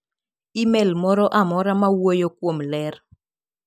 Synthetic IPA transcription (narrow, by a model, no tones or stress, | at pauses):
imɛlmɔɾɔʔamɔɾamawojokwomlɛr